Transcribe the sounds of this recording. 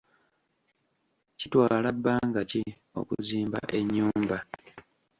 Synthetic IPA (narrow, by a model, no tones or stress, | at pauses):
citwaːlabːaːŋɡaci | o̞̰kṵziːmba̰ʔe̞ɲːuːmba